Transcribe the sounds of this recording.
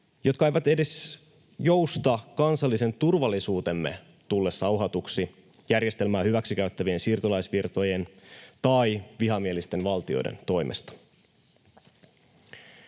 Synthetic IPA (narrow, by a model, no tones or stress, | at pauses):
jo̞t̪̚kɑejʋɑt̪e̞de̞s | jo̞wst̪ɑkɑnsɑlːise̞nt̪urʋɑlːisuːt̪e̞mːḛ | t̪ulːesːɑuɦɑt̪uksi | jærjest̪e̞lmæːhyʋæksik̟æyt̪ːæʋie̞nsiːrt̪olɑjsʋirt̪o̞je̞nt̪ɑjʋiɦɑmielist̪e̞nʋɑlt̪io̞̰dḛnt̪o̞jmʔḛst̪ɑ̥